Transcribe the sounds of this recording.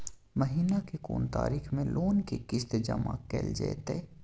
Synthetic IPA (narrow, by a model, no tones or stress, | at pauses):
məɦiːnakeko̰ːnt̪a̰ːɾiːxʰmẽlʔoːnkekɪst̪ed͡ʒɐma̰kḛld͡ʒɛ̰et̪eː